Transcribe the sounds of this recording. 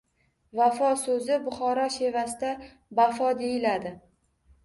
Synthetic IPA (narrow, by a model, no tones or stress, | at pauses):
vafɒsɵzɪbʊχɒɾɒʃe̞vasɪd̪a | bafɒd̪ejɪlad̪ɪ